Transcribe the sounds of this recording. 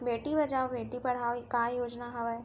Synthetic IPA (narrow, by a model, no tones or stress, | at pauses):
beːʈibɐd͡ʒaːobeːʈipɐɽ̤aːokaːjoːd͡ʒnaɦɐʋa